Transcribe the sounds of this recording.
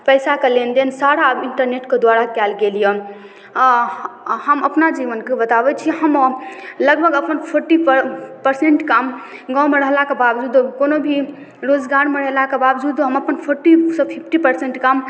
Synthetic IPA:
pəjsakelend̪ensaɽabiɳʈəɾneʈked̪waɾakɛlɡelije | həməpnad͡ʒiʋənkebət̪abɛt͡ʃʰiɦəmləɡbʱəɡəpənpʰoɾʈippəɾseɳʈkamɡãmeɾəɦlakebabd͡ʒud̪okonobʱi | ɾod͡ʒɡaɾmeɾəɦlakebabd͡ʒud̪oɦəməpənpʰoɾʈisə̃pʰipʰʈipəɾseɳʈkam

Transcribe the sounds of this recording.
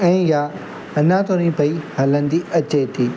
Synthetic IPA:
ɛ̃ːja | ɐnãt̪onĩpɐihaːlə̃n̆d̪iɐt͡ɕet̪ʰiː

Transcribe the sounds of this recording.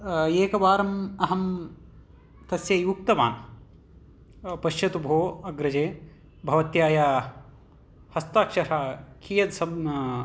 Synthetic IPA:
eːkɐʋaːɾɐmɐɦɐm | t̪ɐsjɐːjuːk̚t̪ɐma̰ːn | pɐʃjɐt̪ubʱoːɐɡɾɐd͡ʒeː | bʱɐʋɐt̪jaːjaː | hɐst̪aːkʂɐɾaːkijɐd̪sɐ

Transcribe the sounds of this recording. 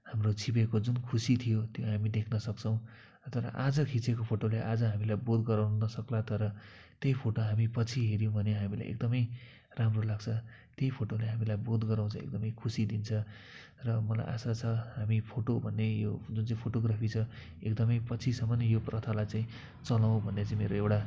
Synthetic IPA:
hamrot͡sʰibekod͡zunkʰusit̪ʰijot̪joɦamid̪ekʰnʌsʌkt͡sʰʌw̃ | t̪ʌɾʌ̰ʔad͡zʌkʰit͡sekopʰoʈolaʔad͡zʌɦamilajbod̪ɡʌɾawnnʌsʌklat̪ʌɾʌ | t̪jejpʰoʈoɦamipʌt͡sʰiɦeɾjõbʱʌneɦamila̰jʔḛk̚d̪ʌmʌj | ramrolaɡt͡sʰʌt̪jejpʰoʈoleɦamilajbod̪ɡʌɾaw̃t͡sʰʌ̃ḛk̚d̪ʌmʌjkʰusid̪int͡sʰʌ | rʌmʌla̰jʔa̰sat͡sʰʌɦamipʰoʈobʱʌnːejod͡zunt͡saĩpʰoʈoɡrapʰit͡sʰʌ | ek̚d̪ʌmʌjpʌt͡sʰisʌmʌnjoprʌt̪ʰalajt͡saĩ | t͡sʌlaw̃bʱʌnːet͡saĩmeɾoewɽa

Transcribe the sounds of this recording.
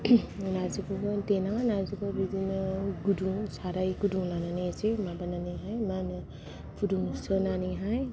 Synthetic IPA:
naziɡɯɡɔtenanazuɡɔbidinɯɡuduŋsaɾajɡuduŋlananisemabananiɦajmanɯ | pʰuduŋsɯnaniɦaj

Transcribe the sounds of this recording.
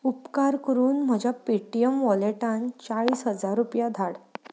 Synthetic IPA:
upkaɾkəɾuːnm̤əd͡ʑʱjapiʈijəmʋɔleʈãnt͡saɭiːsɦəd͡zaɾːupjad̪ʱaɽ

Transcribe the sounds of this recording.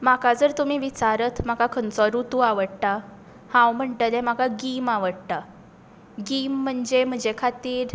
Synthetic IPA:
makad͡zəɾt̪um̤iːʋit͡saɾət̪ʰm̤akakʰənt͡sɔɾut̪uaʋəɽʈ̪a | hãwm̤əɳʈəlɛmakaɡimaʋəɽt̪a | ɡim̤ːəɳd͡ʑem̤əɳd͡ʑekʰat̪iːɾ

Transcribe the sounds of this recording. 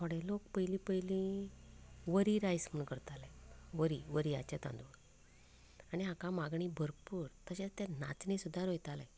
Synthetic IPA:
oɽelokpəjlĩpəjlĩ | ʋəɾiɾajsm̤əɳkəɾt̪alɛʋəɾiʋəɾiat͡ɕat̪ã̰nd̪u | aɽ̃iakãmaɡɳibʱəɾpuːɾt̪əɕat̪jana̰t͡snisud̪ʱːaɾojt̪alɛ̃

